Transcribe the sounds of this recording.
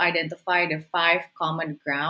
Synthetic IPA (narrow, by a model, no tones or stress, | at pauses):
aɪɖɛ̃ntɪfaɪɖəfaɪʋkɔːmə̃nɡɾã